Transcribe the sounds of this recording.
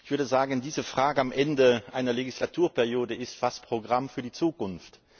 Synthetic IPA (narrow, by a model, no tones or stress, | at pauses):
ɪçv̥ʏɐdəzaːɡəndiːzəfʁ̥aːɡəamʔɛndəʔaɪnɐleɡislatʰuːɐpɛɐʁjoːdəɪstfaspʁ̥oɡʁamfyːɐdiːt͡suːkʊnft